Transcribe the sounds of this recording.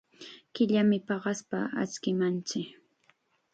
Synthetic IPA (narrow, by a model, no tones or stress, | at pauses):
kɪʎamɪpɑɢɑspaa̰t͡skɪmant͡sɪk